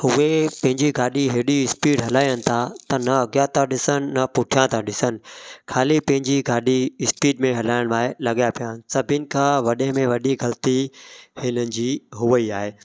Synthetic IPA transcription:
hʊʋepɐ̃ɦɪ̃ɲd͡ʑiɡaːɗiɦeːɗiɪspiːɖɦɐlaːijənɪ̆t̪ʰat̪ɐnɐɐɡjãt̪ʰaɗɪsənɪ̆ːɐpʊʈʰijãt̪ʰãɗɪsənɪ̆kʰaːlipɐ̃ɦɪ̃ɲd͡ʑiɡaːɗiɪspiːɖmẽɦɐlaːɪɽ̃ʋaːelɐɠjapijaːnɪ̆sɐbʱɪnɪ̆kʰãːʋɐɗẽmẽʋɐɗiɡɐlt̪ihɪnənɪ̆d͡ʑiːɦʊʋəiaːɦeː

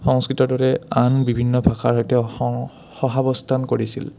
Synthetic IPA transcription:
xɔŋskɹitɔdɔɹɛanbibʱinːɔbʱaxaɹɦɔjtɛ | xɔɦabɔstʰankoɹisḭl

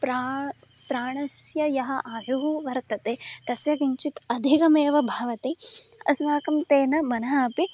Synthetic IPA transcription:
pɾapɾaːɳɐsjɐjɐɦɐ̆ʔaːjuɦuʋɐɾt̪ɐt̪et̪ɐsjɐɡiɲt͡ʃit̪ɐd̪ʱikɐmeːʋɐbʱaːʋɐt̪eɐ̰snaːkɐmt̪eːnɐmɐnɐɦaːpi

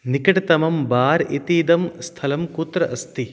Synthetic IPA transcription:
nikɐʈɐt̪ɐmɐmbaːɾit̪iːd̪ɐmst̪ʰɐlɐmkut̪ɾɐʔɐst̪i

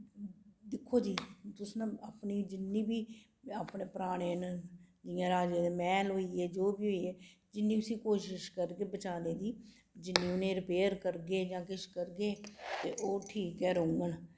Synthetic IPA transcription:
d̪ɪkʰːoːd͡ʒiːt̪ʊsnə̃aːpniːd͡ʒɪnːĩːbiː | aːpneːpɾaːɽ̃eːnd͡ʒɪjãːɾaːd͡ʒeːd̪eːmɛːlɦoːiːeːd͡ʒoːbiːɦoiːeː | d͡ʒɪnːiːʊsĩːkoːʃɪʃkəɾɡeːbət͡ʃaːneːd̪iː | d͡ʒɪnːĩːʊnẽːɾɪpeːəɾkəɾɡeːd͡ʒãːkɪʃkəɾɡeːt̪eːʔoːʈʰiːkːɛːɾõŋɡən

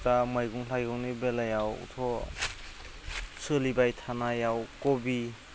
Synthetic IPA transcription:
tamajɡuŋlajɡɔŋnibelajawṵtʰɔ | sɯlibajtʰanajawkɔbi

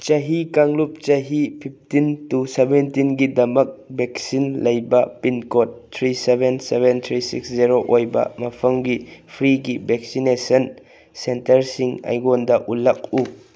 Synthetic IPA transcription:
t͡ʃɐɦikaŋlup̚t͡ʃɐɦipʰip̚tintusebɛntinɡidɐmɐk̚bɛk̚sinlɐjbɐpinkɔtt̪ʰɾisebɛnsebɛnt̪ʰɾisḭksziɾoʔɔjbɐ̰mɐpʰɐŋɡipʰɾiɡibɛk̚sinesɐn | sentɐɾsiŋɐ̰jɡɔndɐʔulɐk̚u

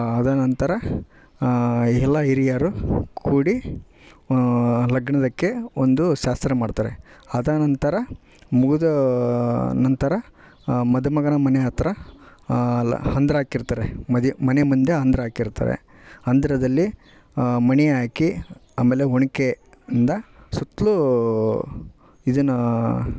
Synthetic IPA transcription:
ɐd̪ɐnɐnt̪ɐɾɐ | ɛlːɐiɾijaːɾukuːɽi | lɐɡɳɐd̪ɐkːe̞ond̪uʃaːst̪ɾɐmaːɽt̪aːɾe̞̰ɐd̪ɐnɐnt̪ɐɾɐ | muɡud̪ɐ | nɐnt̪ɐɾɐ | mɐd̪umɐɡɐnɐmɐneɐt̪ɾɐ | hɐnd̪ɾɐaːkiɾt̪aːɾemɐd̪mɐnemund̪e̞ɦɐnd̪ɾɐɦaːkiɾt̪a̰ːɾḛ | ɦɐnd̪ɐɾɐd̪ɐlːi | mɐniaːkiaːmeːle̞ɦoɳike | ɐnd̪ɐsut̪ːlu | id̪ɐnːɐ

